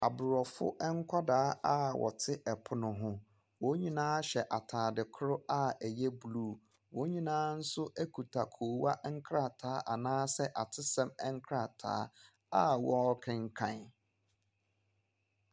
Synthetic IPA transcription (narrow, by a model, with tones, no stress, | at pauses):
a˨bʊ˨ɾɔ˨fʊ̰˦ʔɛ˦ŋ̩˦kʷʰa˦daː˦a˦wʔɔ̰˨tʰɪ˦ʔɛ˨pʰʊ˦nʊ̃˨ɦʊ̃˦ | wɔ˦ɲĩ˦nãː˦ɕɛ˨ʔa˨tʰaː˨dɪ˨kʰʊ˦ɾʊ˦a˦æ˨jɛ˦bu˨luː˦˨ | wɔ̃˨˦ɲĩ˦nãː˦n̩˦sʊ˦ʔæ˦kʰu˨tʰa˨kʰo˨wa˦ʔŋ̩˦kʰɾa˦˨tʰaː˨˦ʔa˨nãː˦sɛ˦ʔa˨tʰɪ˦sɛ̃˦mɛ˦ŋ˦kʰɾa˦˨tʰa̰ː˨˦ | a˦wɔ˦kʰɪ̃˦˨ŋ˦kʰã˨